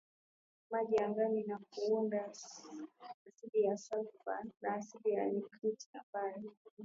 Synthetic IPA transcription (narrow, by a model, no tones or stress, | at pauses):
maʄiaŋɡaninakuunda | siɗijasaba̰naːsiɓijanikɾita̰mbajɔ